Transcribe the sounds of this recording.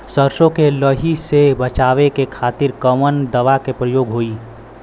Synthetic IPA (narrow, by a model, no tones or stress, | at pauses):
səɾʃõkeləɦisebɐt͡ʃaːʋekekʰaːt̪ɪɾkəmənd̪əʋakepɾəjoːɡɦoːiː